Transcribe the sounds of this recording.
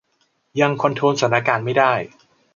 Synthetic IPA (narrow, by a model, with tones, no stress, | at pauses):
ja˧ŋkʰo˧nt̪ʰoː˧nsa˨˩˦nt̪aː˧kaː˧nma˥˩jdaː˥˩j